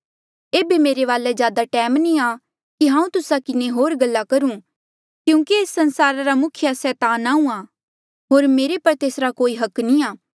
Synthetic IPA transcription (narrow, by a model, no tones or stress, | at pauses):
eːbimeːɾeʋaːlɛzjaːd̪aʈɛːmnĩa | kiɦãːũt̪ʊsakɪneɦoːɾɡɐlːakɐɾũ | kjũːkieːsːɐ̃nsaːɾaɾamʊkʰɪjasɛːt̪aːnaːũa | ɦoːɾmeːɾepɐɾt̪eːsɾakoːiɦɐknĩaː